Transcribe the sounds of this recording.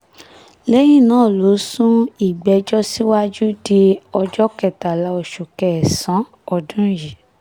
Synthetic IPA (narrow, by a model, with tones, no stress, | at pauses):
lɛ˦jĩ˦˨nãː˨˦˨lo˨˦sũ˦i˨ɡ͡bɛ˨d͡ʒɔ˦si˦wa˦d͡ʒu˦de˧ɔ˧d͡ʒɔ˦kɛ˨ta˨la˨˦o˨ʃu˨kɛ˨ɛ˨sã˨˦ | ɔ˧dũ˦ji˨